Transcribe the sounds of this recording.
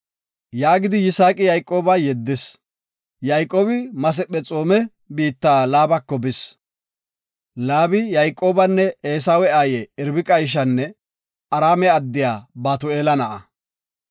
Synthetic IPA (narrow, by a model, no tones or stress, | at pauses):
jaːɡɪd̪ɪjɪsaːkʼɪjɐjkʼːo̞ːbɐjɛd̪ːɪs | jɐjkʼːoːbɪmɐs̬ɛpʼːɛt͡sʼo̞ːmɛ | biːt̪ːaːlaːbɐkːɔbɪs | laːbɪjɐjkʼːo̞ːbɐnːɛeːs̬aːwɛaːjɛɪɾbɪkʼɐjʃ̬ɐnːɛ | ɐɾaːmɛɐd̪ːɪjaːbaːt̪ʊeːlɐnɐʔɐ